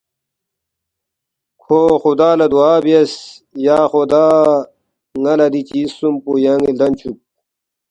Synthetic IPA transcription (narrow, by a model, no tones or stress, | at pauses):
kʰoːxud̪aːlɐd̪uaːbies | jaːxod̪aː | ŋɐlɐd̪it͡ɕisumpujaŋɡild̪ɐnt͡ɕʰup̚